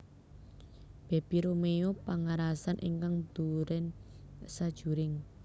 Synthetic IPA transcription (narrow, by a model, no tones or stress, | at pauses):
b̥e̤b̥iɾomejopaŋaɾasanʔḭŋkaŋd̪̥uɾɛn | sad̥ʒ̥ṳɾɪŋ